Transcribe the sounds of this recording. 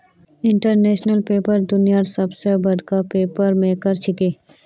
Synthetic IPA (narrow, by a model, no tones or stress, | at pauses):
ɪ̃ɳʈəɾneːʃnəlpeːpəɾd̪ʊnijaɾsɐbsebɐd̪ʱkapeːpəɾmẽkəɾt͡ʃʰɪkeː